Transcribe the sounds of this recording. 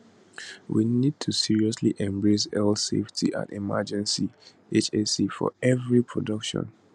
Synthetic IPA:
winid̚tʰusiɹiɔsliʔɛ̃mbɹes̬ɛlseftʰiʔã̰ndimad͡ʒɛ̃nsi | et͡ʃesifɔ̰ɛvɹipʰɹɔdʌkʃɔ̰̃n

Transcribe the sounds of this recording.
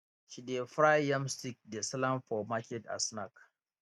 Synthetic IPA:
ʃidefɾajamstik̚desalamfɔmakʲɛta̰snak

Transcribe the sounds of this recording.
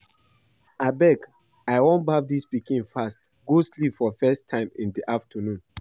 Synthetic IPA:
abɛk | aɪwõnbavdispikĩnfast | ɡ̥oslipfɔfɛstʰãɪ̃mḭ̃ndiʔaftʰənũn

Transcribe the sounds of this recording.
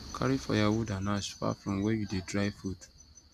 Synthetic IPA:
kʰa̰ɾifɔ̰jawʊdanasfa̰fɾɔ̃mwɛjudedɾaɪfut

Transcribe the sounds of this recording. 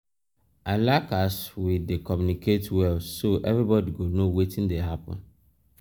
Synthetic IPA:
alakaswidekʰɔ̃mjunikʰetwɛlsoʔɛ̰vɾibɔdiɡonowetʰĩndeɦapɔ̰̃n

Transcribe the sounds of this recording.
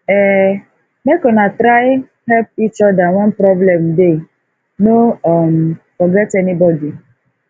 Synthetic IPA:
ɛ | mekɔnatɾaɪ | hɛlp̚it͡ʃɔdawɔ̃npɾɔblɛ̃mde | noɔmfɔɡɛtɛnibɔdi

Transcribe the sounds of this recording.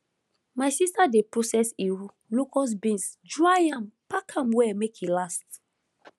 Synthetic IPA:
majsistadepɹosɛsiwu | lukɔs̬bĩnsd͡ʒɹajãmpakʰãmwɛmekhilast̚

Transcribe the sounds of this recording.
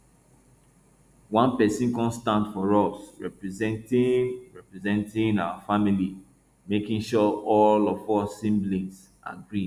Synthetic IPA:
wãnpɛsĩnkɔ̃nstãntfɔɹɔsɹɛpɹɛzɛ̃ntĩnɹɛpɹɛzɛ̃ntĩŋaʊafamili | mekĩŋʃɔʔɔlɔfɔsĩmblĩns | ʔa̰ɡɹid

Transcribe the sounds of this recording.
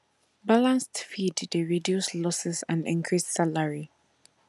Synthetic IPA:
balãnstfiddeɹidjuslɔsɛsã̰ndĩŋkʰɹisːalaɹi

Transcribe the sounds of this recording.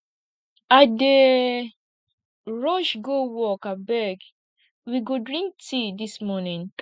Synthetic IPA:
ade | ɹɔʃɡowɔkabɛɡ | wiɡodɹĩŋk̚tʰidismɔnĩnk

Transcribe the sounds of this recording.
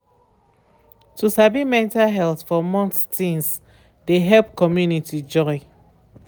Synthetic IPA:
tusabimɛ̃ntaɦɛlθfɔmɔ̃nttĩŋs | deɦɛlp̚kɔmjunitid͡ʒɔɪ

